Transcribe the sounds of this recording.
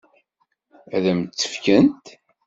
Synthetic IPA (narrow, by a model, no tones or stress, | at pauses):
æðæmt͡sːə̥fkənt̪